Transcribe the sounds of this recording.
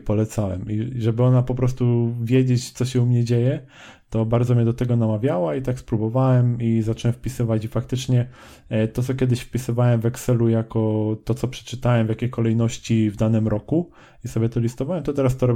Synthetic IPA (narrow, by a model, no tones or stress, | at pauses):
pɔlɛt̪sawɛ̰miʐɛbɘɔnapɔpɾɔst̪uvʲjed͡ʑet͡ɕt̪sɔɕɛumɲɛd͡ʑejɛ | t̪ɔbaɾd̪zɔmʲjɛd̪ɔt̪ɛɡɔnamavʲjawait̪akspɾubɔvawɛmizat͡ʂɛwɛmfpʲisɘvat͡ɕifak̚t̪ɘt͡ʂɲɛ | t̪ɔt̪sɔkʲɛd̪ɘɕfpʲisɘvawɛmvɛksɛlujakɔt̪ɔt̪sɔpʂɛ̥t͡ʂɘt̪awɛmvʲjakʲejkɔlɛjnɔɕt͡ɕivd̪anɘmɾɔku | isɔbʲjɛt̪ɔlʲist̪ɔvawɛmt̪ɔt̪ɛɾast̪ɔɾɔ